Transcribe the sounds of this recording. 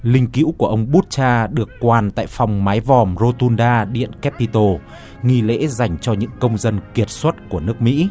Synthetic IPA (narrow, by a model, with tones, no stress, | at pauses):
lï˧ŋ̟kḭ˧˥wkku˧˩əʔə˧wŋ͡mɓu˦˥t̚t͡ɕaː˧ɗɨ˨˩əkːwaː˨˩nt̪a̰ː˧˨jfa˨˩wŋ͡mmaː˨˦jvɔ˨˩mzo˧t̪u˧nɗaː˧ɗḭ˧˨ənkɛ˦˥pːi˧t̪o˧ | ŋi˧lḛ˧˥za˨˩jŋ̟t͡ɕɔ˧ɲɨ̰˧˥ŋkə˧wŋ͡mzə˧nki˨˩ət̚swə˦˥t̚ku˧˩ənɨ˦˥ək̚mḭ˧˥